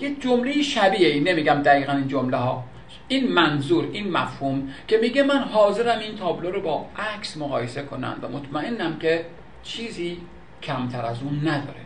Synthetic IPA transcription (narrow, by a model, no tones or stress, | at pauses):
jekd͡ʒomle̞jiʃæbiːeine̞miːɟæmd̪æɣiːɣæniːnd͡ʒomlehɒː | iːnmænzuːɾiːnmæfhuːmkʲʰe̞miːɟemænɦɒːze̞ɾæmint̪ʰɒːbloɾobɒːʔæksmoɣɒːjese̞kʰo̞næ̰nd̪væ̰mot̪ʰmæʔe̞nːæmkʲʰe̞ | t͡ʃʰiːziː | cʰæmt̪ʰæɾæzuːnːæd̪ɒ̰ːɾe